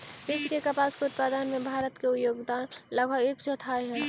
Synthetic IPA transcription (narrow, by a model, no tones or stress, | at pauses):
pɪskekəpaːskeʊt̪̚paːd̪ənmẽbʱaːɾət̪keʊjoːɡd̪aːnləɡʱaekd͡ʒot̪ʰaːeɦɛː